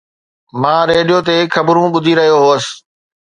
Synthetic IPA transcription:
mãːɾeːɗijot̪̬eːkʰɐbɾũɓʊd̪ʱiɾɐɦijoɦoːəs̆

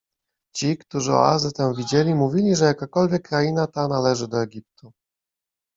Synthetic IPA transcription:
t͡ɕikt̪uʐɘɔ̰a̰zɘt̪ɛmvʲid͡ʑelʲimuvʲilʲiʐɛjakakɔlvʲjɛkːɾajinat̪analɛʐɘd̪ɔɛɡʲip̚t̪u

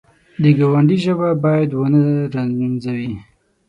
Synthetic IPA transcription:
d̪əɡawaɳɖiʒəbabɑjad̪wənəɾanzawi

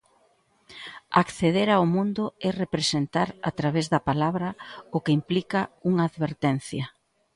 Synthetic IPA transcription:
a̰kθeðeɾawmũnd̪ʊɛrepɾesent̪aɾa̰t̪ɾaβezðɐpalaβɾɐʊkeimplikɐuŋaːðβeɾt̪ɛn̟θjɐ

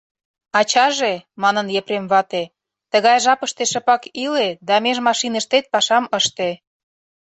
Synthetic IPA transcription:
ɑt͡ɕɑʒemɑnənjepremβɑt̪e | t̪əɣɑjʒɑpəʃt̪eʃə̆pɑkiled̪ɑmeʒmɑʃinəʃt̪et̪̚pɑʃɑməʃt̪e

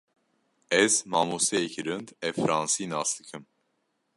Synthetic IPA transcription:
ɛzmɑmusɛɛkʰiɾənd̪ɛfɾɑnsinɑsləkʰəm

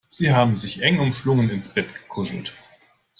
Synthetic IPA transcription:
z̥iːɦaːbm̩zɪçʔɛŋʊmʃlʊŋənɪnsb̥ɛtɡ̥ə̥kʰʊzl̩t

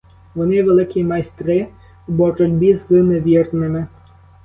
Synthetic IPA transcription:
ʋɔnɪʋelˠɪkʲimɐjst̪ɾɪ | bɔrʊdʲbʲizɨneʋʲirnɪmɪ

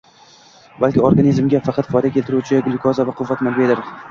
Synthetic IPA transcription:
balkʲɪoɾɡanʲizmɡʲafɑqʰɑt̪fɒjd̪akʲʰe̞lt̪ɪɾut͡ʃʰɪɡlɪkʰɒzavaqʰʊvːat̪malved̪ɪɾ

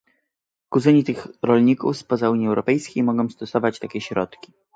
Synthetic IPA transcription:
kuzɘɲit̪ɘxɾɔlɲikṵfspɔzauɲjiɛwɾɔpɛjskʲejmɔɡɔ̃w̃st̪ɔsɔvat͡ɕt̪akʲɛɕɾɔt̪kʲi̥

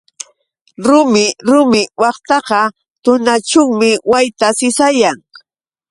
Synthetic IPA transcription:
ɾʊmɪɾʊmɪwɑqt̪ɑqɑ | t̪ʊnat͡ʃʊŋmɪwajt̪asɪsajaŋ

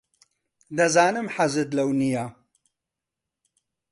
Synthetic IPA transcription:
d̪ɐzaːnɨmħazɨd̪lɐwnijaː

